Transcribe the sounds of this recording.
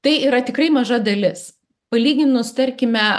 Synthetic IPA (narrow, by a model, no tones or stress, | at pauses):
t̪ɐɪiːɾɐt̪ʲɪkɾɐɪmɐʒɐd̪ɐlʲɪs | pɐlʲiːɡʲɪnʊst̪ɐɾʲkʲɪmʲɛ